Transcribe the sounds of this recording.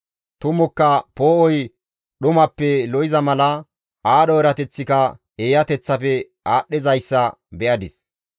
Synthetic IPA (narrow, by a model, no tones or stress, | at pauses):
t̪ʊmʊkːɐpo̞ːʔɔj | ɗʊmɐpːɛlɔjɪzɐmɐlɐ | aːɗɔɛɾɐt̪ɛt͡sːɪkɐ | eːjɐt̪ɛt͡sːɐfɛ | aːɗːɪzɐjsːɐ | bɛʔɐd̪ɪs